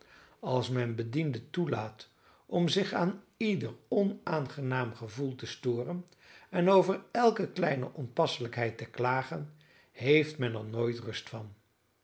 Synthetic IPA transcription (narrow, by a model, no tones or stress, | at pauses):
ɑlˠsmɛnbədindətulaːt | ɔmzɪχaːn | idəɹɔnaːnχənaːmχəvulˠtəstʊːrən | ɛnowvəɹɛlˠkəklɛjnə̰ʔɔmpɑsələkɦɛjtəklaːχən | ɦejftmɛnɛrnoːjtrɵstfɑn